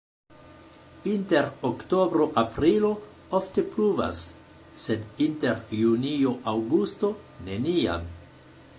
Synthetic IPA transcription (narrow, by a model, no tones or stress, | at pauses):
inte̞ɾokto̞bɾo̞ʔapɾilo̞ | ofte̞pluva̰sː | e̞dinte̞ɾjunio̞ʔawɡusto̞ | ne̞nia̰m